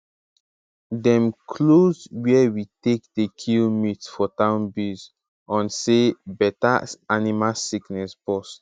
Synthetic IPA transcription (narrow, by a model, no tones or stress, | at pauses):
dɛ̃mkʰlozwiɛwitek̚dekʰilmitsfɔtãʊ̃nbiz | ɔ̃nsebɛtaanimasiknɛsbɔst